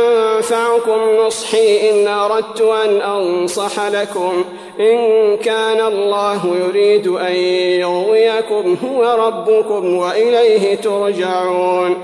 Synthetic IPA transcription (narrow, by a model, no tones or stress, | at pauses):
ʔamfaʕʊkʊmnʊsˤħiːʔɪnʔɑɾˤɑd̪̚t̪ʊʔanʔɑnsˤɑħlakʊm | ʔɪnkaːnalˤːɑːɦʊjʊɾiːd̪ʔanjʊɣd̪ɪjakʊmɦʊwaɾˤɑbːʊkʊmwaʔɪlajɦɪt̪ʊɾd͡ʒaʕuːn